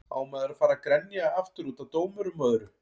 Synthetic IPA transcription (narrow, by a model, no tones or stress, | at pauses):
a̰ːwmɛːðɪɾafaːɾakɾɛnːjaaaft̪ʏɾuːt̪at̪oːwmʏɾʏmœːðɾʏ